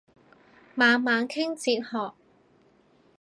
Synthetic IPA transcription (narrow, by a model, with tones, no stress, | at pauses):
maː˨˧nmaː˨˧nkʰɪ˥ŋt͡siː˧t̚hɔː˨k̚